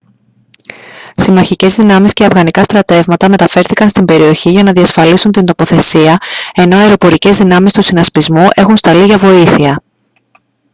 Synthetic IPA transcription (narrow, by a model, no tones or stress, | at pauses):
simɐçice̞zðinɐmisceɐvɣɐnikɐst̪ɾɐt̪e̞vmɐt̪ɐme̞t̪ɐfe̞ɾθikɐnst̪imbe̞ɾio̞çiʝɐnɐðiɐsfɐlisunt̪ind̪o̞po̞θe̞siɐe̞no̞ɐeɾo̞po̞ɾice̞zðinɐmist̪usinɐspizmuʔe̞xunst̪ɐliʝɐvo̞iθiɐ